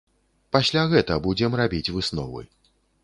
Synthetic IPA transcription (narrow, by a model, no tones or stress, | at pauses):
pasʲlʲaɣɛt̪ɐbud͡zʲɛmrabʲit͡sʲvɨsnɔ̰vɨ̰